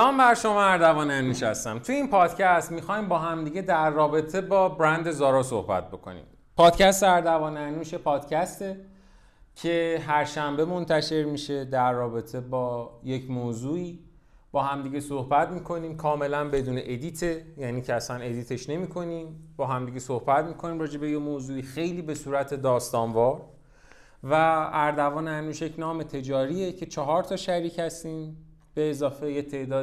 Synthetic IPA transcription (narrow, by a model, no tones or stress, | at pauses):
ɒːmbæɾʃo̞mɒːæɾd̪ævɒːnænuːʃhæst̪æmt̪ʰujeiːnpʰɒːd̪̥cʰæst̪mixɒːjmbɒːɦæmd̪iːɟe̞d̪æɾːɒːbe̞t̪ʰe̞bɒːbɾænd̪e̞zɒːɾɒːso̞̰hbæ̰t̪̚bo̞̰kʰo̰nḭm | pʰɒːd̪cæst̪eæɾd̪ævɒːnænuːʃe̞pʰɒːd̪̥cʰæst̪e̞ | cʰe̞ɦæɾʃæmbe̞mo̞nt̪ʰæʃe̞ɾmiʃe̞d̪æɾːɒːbe̞t̪ʰe̞bɒːje̞cʰmoːzuːiː | b̥ɒːhæmd̪iːɟesohbæt̪miːkʰo̞niːmkʰɒːme̞lænbe̞d̪uːneʔed̪iːt̪ʰe̞jæniːcʰeæsæne̞d̪iːt̪ʰeʃne̞miːkʰo̞niːmb̥ɒːɦæmd̪iːɟesohbæt̪miːkʰo̞niːmrɒːd͡ʒe̞be̞jemoːzuːiːxe̞jliːbe̞suːɾæt̪ʰe̞d̪ɒːst̪ɒːnvɒːɾ | vææɾd̪ævɒːneænuːʃjecnɒːmet̪ʰe̞d͡ʒɒːɾiːe̞cʰe̞t͡ʃʰɒɦɒːɾt̪ʰɒːʃæɾiːchæst̪iːm | b̥e̞ːzɒːfe̞jet̪ʰeʔd̪ɒː